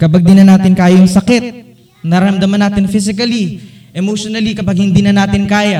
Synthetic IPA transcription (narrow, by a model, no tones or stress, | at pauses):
kɐbaɡ̚d̪ɪnɐnaːt̪ɪnkaːjɐjɐŋsɐkɛt̪̚ | nɐɾɐɐmd̪ɐmɐnaːt̪ɪnfis̬ɪkɐli | ʔɛmoʃonɐlikɐpaɡ̚hɪnd̪iːnɐnaːt̪ɪnkaːja